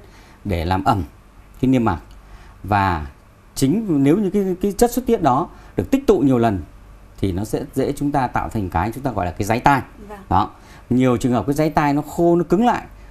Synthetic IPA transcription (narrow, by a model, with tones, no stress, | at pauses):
ɗe˧˩laː˨˩mʔə˨˩m | kaː˨˦jn˧əmːa̰˨˩t̚vaː˨˩ | t͡ɕï˨˦ŋ̟ne˨˦wɲɨ˧˥kaː˨˦kaː˨˦t͡ɕə˦˥t̚swə˦˥t̚t̪i˦˥ət̚ɗɔ˨˦ɗɨ˨˩ək̚t̪ï˥k̚t̪ṵ˧˨ɲi˨˩əwlə˨˩n | t̪ʰi˨˩nɔ˨˦sɛ̰˧˥zḛ˧˥t͡ɕʊ˨˦ŋ͡mt̪aː˧t̪a̰ː˧˨wfʰa˨˩ŋ̟kaː˨˦jt͡ɕʊ˨˦ŋ͡mt̪aː˧ɣɔ̰˧˨jlaː˨˩kaː˨˦jza˨˦jt̪aː˧jɗɔ˨˦ | ɲi˨˩əwt͡ɕɨ˨˩əŋhp̚kːaː˨˦jza˨˦jt̪aː˧jnɔ˨˦xo˧nɔ˨˦kɨ˨˦ŋla̰ː˧˨jʔ